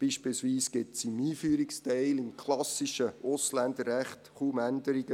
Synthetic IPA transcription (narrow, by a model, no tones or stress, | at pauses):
b̥iːʃpilsʋiːsɡ̥ɪt̪simiːfyːɾikstɛɪlɪmkʰlɑsɪʃəʊslændərːæχt̪χuːmænd̪əɾiɡ̥ə